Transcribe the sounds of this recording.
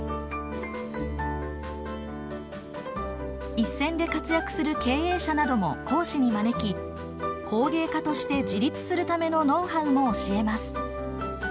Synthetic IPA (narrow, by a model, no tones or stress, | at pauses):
isːẽ̞nd̪e̞kat͡sɨjakɯ̟̥sɨɾɯ̟ke̞ːe̞ːɕanad̪o̞mo̞̰kʰo̞ːɕiɲ̟imane̞kʲi | kʰo̞ːɡe̞ːkat̪o̞ɕi̥t̪e̞d͡ʑiɾʲit͡sɨ̥sɨɾɯ̟t̪ame̞no̞no̞ːɦãmo̞ːɕie̞masɨ̥